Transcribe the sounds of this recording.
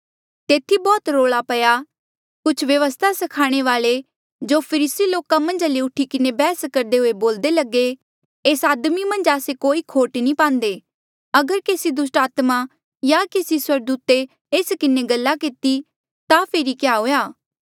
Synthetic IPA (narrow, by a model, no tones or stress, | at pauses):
t̪eːt̪ʰibɔːt̪ɾoːɭapɐja | kʊt͡ʃʰʋjɐʋəst̪ʰasɐkʰaːɽ̃eʋaːle | d͡ʒoːpʰəɾisiloːkamɐ̃nd͡ʒliʊʈʰikɪnebɛːskɐɾd̪eɦoeboːld̪elɐɡe | eːsaːd̪mimɐ̃nd͡ʒaːsekoːikʰoːʈnĩpãːnd̪eː | ɐɡəɾkeːsid̪ʊsʈaːt̪ma | jakeːsiswɐɾɡd̪uːt̪e | eːskɪneɡɐlːakɪt̪i | t̪apʰeːɾikjaːɦoːjaː